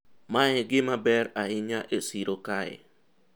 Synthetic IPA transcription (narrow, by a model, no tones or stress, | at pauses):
maɛɡɪmabɛɾahɪɲaʔesiɾokaḛ